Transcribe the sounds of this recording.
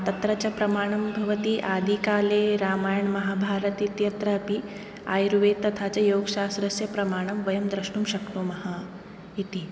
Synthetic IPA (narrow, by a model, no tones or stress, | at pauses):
t̪ɐt̪ɾɐt͡ɕɐpɾɐmaːɳ̃ɐmbʱɐʋɐt̪iʔaːd̪ʱikaːleːɾaːmaːjɐɳmɐɦaːbʱaːɾɐt̪it̪jɐt̪ɾɐːpi | a̰ːjɾuʋeːt̪ːɐt̪ʰaːt͡ɕɐjoːɡʃaːst̪ɾɐsjɐpɾɐmaːɽ̃ɐmʋɐjɐmd̪ɾɐʃɳuːmʃɐknuːmɐɦa | it̪i